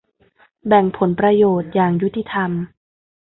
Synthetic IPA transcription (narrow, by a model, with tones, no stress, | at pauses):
bɛ˨˩ŋpʰo˩˦npɾa˧joː˨˩t̪̚jaː˨˩ŋju˦˥t̪ʰːi˧˩t̪ʰa˧m